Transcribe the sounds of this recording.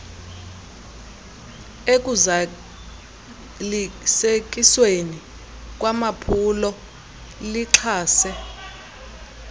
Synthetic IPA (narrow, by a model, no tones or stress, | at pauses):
ek̬ʼuza | lisek̬ʼisweni | k̬ʼwamapʰulɔ | liǁʰaːsɛ